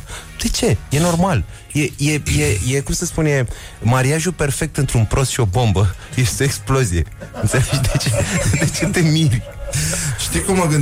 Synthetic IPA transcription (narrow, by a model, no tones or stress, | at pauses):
d̪̥e̞t͡ʃe̞je̞no̞rmal | je̞je̞je̞je̞kumsəspunje̞ | maɾiaʒupe̞rfe̞k̚t̪ɨnt̪ɾunpɾo̞st̪ʃio̞bo̞mbə | je̞st̪eeksplo̞zije̞ɨnt̪se̞led͡ʒd̪et͡ʃed̪et͡ʃe̞t̪e̞mir | ʃt̪ijkumːaɡɨn